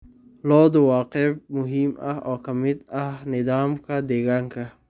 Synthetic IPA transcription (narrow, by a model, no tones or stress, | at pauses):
lɔːd̪ʊwɑːqɛb̚mʊɦimɐhɔːkʰɐmɪd̪ɐhnɪd̪aːmkʰɐd̪eːɡaŋkʰɐ